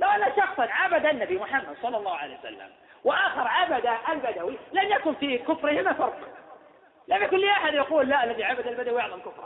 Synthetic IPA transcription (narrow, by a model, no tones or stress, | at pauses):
lawʔanːaʃɑxsˤɑnʕabad̪aʔnːabimʊħamːad̪sˤɑlːɑlˤːɑːʊʕalḛjwasa̰lːa̰m | waʔaːxɑɾˤʕabad̪aʔalbad̪awilamjakʊnfikʊfɾɪhɪmafɑɾˤq | lamjakʊnlːiːʔaħad̪jɑquːlːaʔalːaðiʕabad̪albad̪awɪʕðamlkʊfɾˤɑ